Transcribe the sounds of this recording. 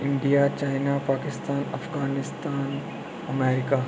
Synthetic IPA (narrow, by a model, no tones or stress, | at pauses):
ɪ̃ɳɖijat͡ʃaːɪnapaːkɪst̪aːnɐ̰fɡaːnɪst̪aːn | ɐmɛːɾɪka